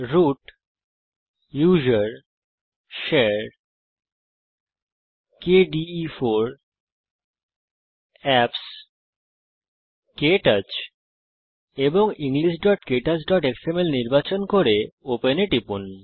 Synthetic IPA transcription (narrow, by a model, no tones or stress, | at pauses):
ɾuʈ | jud͡ʑaɾ | ʃeɾ | keɖifoɾ | ɛps | keʈat͡ɕ | eboŋiŋliʃɖɔʈkeʈat͡ɕɖɔʈeksemelniɾbat͡ɕonkoɾeopeneʈipun